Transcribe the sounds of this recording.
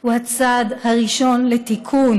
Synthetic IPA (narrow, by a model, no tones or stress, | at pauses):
huhat͡sad̪haʁiʃo̞nlet̪ikʰun